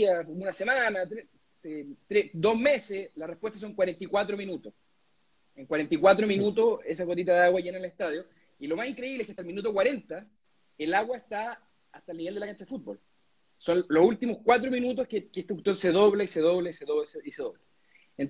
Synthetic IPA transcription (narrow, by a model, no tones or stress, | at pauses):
aunasemanat̪ɾe | et̪ɾed̪o̞ɦmeseslarepwet̪as̬oŋkwaɾe̞nt̪ikwat̪ɾominut̪os | eŋkwaɾe̞nt̪ikwat̪ɾominut̪̬oses̬aɣot̪̬it̪aðeaɣwaʝenaneleht̪aðjo | ilomasiŋkɾeiβleekat̪aelminut̪̬okwaɾe̞nt̪a | elaɣwaeht̪aː | ht̪alniβeld̪elakant͡ʃaðefut̪̚bol | sonlosult̪imohkwat̪̬ɾominut̪ohkekeht̪eut̪onseðoβleiseðoβleseðoseiseðoβle | en